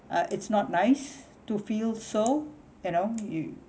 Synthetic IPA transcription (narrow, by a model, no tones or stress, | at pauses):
ʔʌʔɪtsnɔt̚naɪs | tufilso | junoju